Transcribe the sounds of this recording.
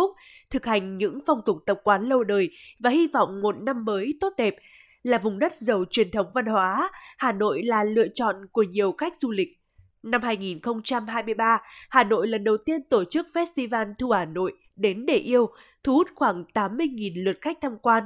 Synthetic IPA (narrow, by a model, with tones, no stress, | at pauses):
ʊ˦˥k͡p̚ | t̪ʰɨ˨˩k̚ha˨˩jŋ̟ɲɨ̰˧˥ŋfɔ˧˩wŋ͡mt̪ʊ˨˩k͡p̚t̪ə˨˩k͡p̚kwaː˨˦nlə˧wɗəː˨˩jvaː˨˩hi˧vɔ̰˧˨wŋ͡mmo˨˩t̚na˧mːəː˨˦jt̪o˦˥t̚ɗɛ˨˩p̚ | laː˨˩vʊ˨˩ŋ͡mɗə˦˥t̚zə˨˩wt͡ɕwi˨˩ənt̪ʰə˨˦wŋ͡mva˧nhwaː˨˦haː˨˩no̰˧˨jlaː˨˩lɨ̰˧˨ət͡ɕɔ̰˧˨nku˧˩əɲi˨˩əwxa˦˥jk̟̚zu˧lï˨˩k̚ | na˧mhaː˧jŋi˨˩nxə˧wŋ͡mt͡ɕa˧mɦaː˧jmɨ˧əjɓaː˧haː˨˩no̰˧˨jlə˨˩nɗə˨˩wt̪i˧ənt̪o˧˩t͡ɕɨ˦˥k̚fɛ˦˥t̚st̪i˧vaː˧nt̪ʰu˧˩haː˨˩no̰˧˨j | ɗe˨˦nɗe˧˩ʔi˧əw | t̪ʰu˨˧˦hu˦˥t̚xwaː˧˩ŋt̪aː˨˦mːɨ˧əjŋi˨˩nlɨ˨˩ət̚xa˦˥k̟̚t̪ʰa˧mkwaː˧n